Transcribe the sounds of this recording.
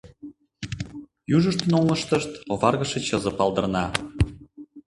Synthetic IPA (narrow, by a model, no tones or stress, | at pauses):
juʒəʃt̪ənolləʃt̪əʃt̪oβɑrɣəʃet͡ɕɤzə̆pɑlˠd̪ə̆rnɑ